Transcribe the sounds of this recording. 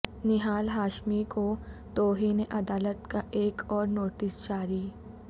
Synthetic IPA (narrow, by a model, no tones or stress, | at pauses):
nɪɦaːlɦaːʃmikot̪oːɦineʔɐd̪aːlət̪kaʔeːkʰɔːɾnoːʈɪsd͡ʒaːɾiː